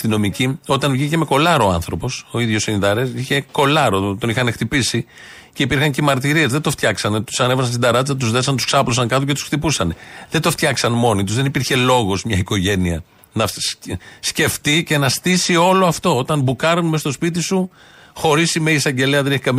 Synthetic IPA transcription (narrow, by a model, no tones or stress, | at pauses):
st̪ino̞micio̞t̪ɐnvʝice̞me̞ko̞lɐɾoɐ̰nθɾo̞po̞so̞iðʝo̞siniðɐɾesiçe̞ko̞lɐɾo̞t̪o̞nixɐnext̪ipisi | ce̞ipiɾxɐɲcemɐɾt̪iɾiezðed̪oft̪çɐksɐnet̪u̥sɐnevɐsɐns̬id̪ɐɾɐt̪izɐt̪̬uzðe̞sɐnt̪u̥sksɐplo̞s̬ɐŋkɐt̪oce̞t̪u̥sxt̪ipusɐnðe̞nd̪oft̪çɐksɐnmo̞nit̪uzðe̞nipiɾçe̞lo̞ɣo̞zmɲɐiko̞ʝe̞niɐ̰ | nɐ | sce̞ft̪ice̞nɐst̪isio̞loɐft̪o̞ot̪ɐnbukɐɾonmest̪o̞spit̪isu | xo̞ɾisimeisɐɲɟe̞leɐðeneçikɐm